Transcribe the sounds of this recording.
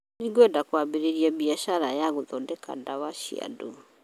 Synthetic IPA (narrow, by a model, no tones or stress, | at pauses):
niɡɔdakwabiɾiɾiabiaʃaɾajaɣuðɔndɛka̰ndawaʃḭa̰dṵ